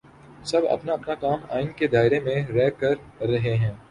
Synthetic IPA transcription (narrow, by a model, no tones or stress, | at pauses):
sɐbɐ̰pnaɐpnakaːma̰ːɪnked̪aːɪɾemẽɾɛːkɐɾːɐɦeɦɛ̃ː